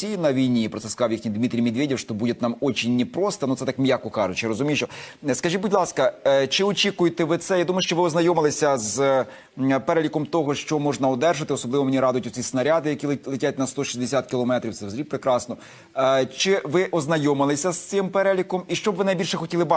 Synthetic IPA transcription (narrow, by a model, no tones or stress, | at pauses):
ijnɐʋʲijnʲipɾɔt̪sɛskɐzɑwjixnʲijd̪mʲit̪ɾʲijmʲɪd̪ʋʲedʲiwʃt̪ɔbudʲɪt̪ʲnɑmɔt͡ʃinʲːipɾɔst̪ɐnut̪sɛt̪ɑkmʲjakɔkɑʒʊt͡ʃɪɾɔzʊmʲijt͡ʃɔskɐʒibudʲlˠɑskɐt͡ʃɪɔt͡ʃʲikʊjet̪ɛʋɪt̪sɛjad̪umɐjʊʃt͡ʃɔʋɪɔznɐjɔmɪlˠɪsʲɐz | peɾɛlʲikɔmt̪ɔɦɔʃt͡ʃɔmɔʒnɐɔd̪ɛrʒɐt̪ɪɔsɔblˠɪʋɔmenʲiɾɑd̪ʊjtʲʊt͡sʲisnɐɾʲad̪ɪjɐkʲilˠetʲat̚ʲnɐst̪ɔʃizʲd̪esʲat̪̚kʲɪlˠɔmɛt̪ɾʲiwt̪sɛwzʲɾʲipɾekɾɑsnɔ | t͡ʃɪʋɪʔɔznɐjɔmɪlˠɪsʲɐst̪sɪmpeɾɛlʲikɔmiʃt͡ʃɔbʋɪnɐjbʲilʲʃɛxɔtʲilˠɪbɑ